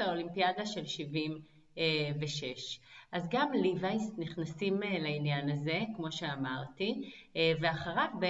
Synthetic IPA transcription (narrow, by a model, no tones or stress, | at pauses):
aolimpijadaʃe̞lʃivim | eveʃeʃʔazɡamlivajsniχnasimeleinjanaze̞kmo̞ʃe̞amaʁt̪ive̞aχaʁavbe